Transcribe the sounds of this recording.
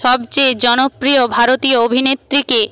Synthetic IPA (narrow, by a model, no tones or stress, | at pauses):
ɔbt͡ɕed͡ʑɔnopɾiobʱaɾot̪ioobʱinet̪ːɾike